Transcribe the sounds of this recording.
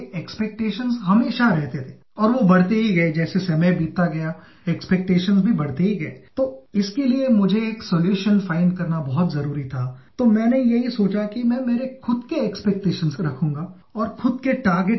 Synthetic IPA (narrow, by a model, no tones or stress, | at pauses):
eːkspeːk̚ʈeːʃənzɦɐmeːʃaɾɛɦt̪et̪ʰeːɔːɾʋobɐɽ̤t̪eɦiɡɐed͡ʒɛːsesɐmebiːt̪ːaɡɐja | ekspeːk̚ʈeːʃənzbʱibɐɽ̤t̪eɦiɡɐeːt̪oːɪskeliemʊd͡ʒʱeːksɔːljuːʃənfaːɪ̃ɳɖ̚kɐɾnabɐɦʊt̪zɐɾuːɾit̪ʰat̪omɛ̃ːnejɐɦisoːt͡ʃakimɛ̃ːmeːɾexʊd̪keɛːkspek̚ʈeːʃənzɾɐkʰũːŋɡa | ɔːɾxʊd̪̚keʈaːɾɡeʈ